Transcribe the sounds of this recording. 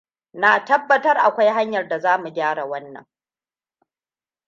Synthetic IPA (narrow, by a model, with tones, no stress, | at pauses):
naː˨tɐ˦bːɐ˦tɐ˦rʔa˨kʷa˦jɦa˦ɲjɐ˨rda˨zaː˦mu˨ɡʲaː˦ɽa˨wɐ˦nːɐ̰˨ŋ